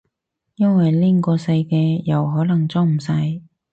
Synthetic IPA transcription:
jɐ˥nwɐ˨˩jliː˥ŋkɔː˧sɐ˧jkɛː˧jɐ˨˩wɦɔː˨˥lɐ˨˩ŋt͡sɔː˥ŋm̩˨˩sɐ˧j

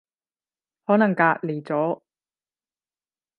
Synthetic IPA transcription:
hɔː˨˥nɐ˨˩ŋkaː˧ʔ̚le˨˩t͡sɔː˨˥

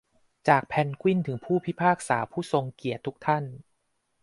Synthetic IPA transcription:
t͡ɕaː˨˩k̚pʰɛ˧nkʰwi˥˩nt̪ʰɯ˩˦ŋpʰuː˥˩pʰi˦˥pʰaː˥˩k̚saː˩˦pʰuː˥˩so˧ŋki˨˩ət̪ʰːu˦˥k̚t̪ʰa˥˩n

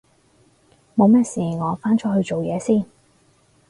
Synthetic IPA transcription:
mo˨˧wmɛː˥siː˨ŋɔː˨˧faː˥nt͡ʃʰɔ˥hɵ˧ɥt͡ʃo˨wjɛː˨˧siː˥˩n

